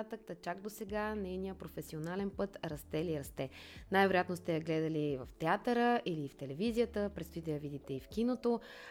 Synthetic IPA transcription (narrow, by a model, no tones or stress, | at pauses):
at̪ək̚t̪ɐt͡ʃak̚d̪osɛɡanɛjnijəpɾofɛsionalɛnpɤt̪ɾɐst̪ɛliɾɐst̪ɛ | najvɛɾojat̪nost̪ɛjɐɡlɛd̪əlivɐft̪ɛat̪əɾəʔiliːft̪ɛlɛvizijət̪əpɾɛt̪st̪id̪ɛjəvid̪it̪ɛifkinot̪o